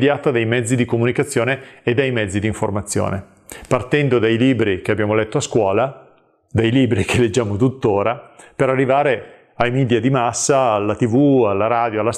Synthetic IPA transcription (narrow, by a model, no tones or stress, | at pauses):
d̪jaːt̪ad̪ejmɛd̪zːid̪ikomunikat̪sːjoːneːd̪ːejmɛd̪zːid̪iɱformat̪sːjo̰ːne | part̪ɛnd̪od̪ajliːbɾik̟eabːjaːmolɛt̪ːoaskwɔːla | d̪ajliːbɾikʰelːed͡ʒːaːmot̪ut̪ːoːɾapeɾarːivaːɾe | ajmid̪jad̪imasːaːlːat̪ivualːaɾaːd̪joalːas